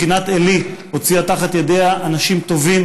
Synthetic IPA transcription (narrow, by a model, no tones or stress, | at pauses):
inat̪eliho̞t͡siat̪aχat̪jed̪eaʔːnaʃimt̪o̞vim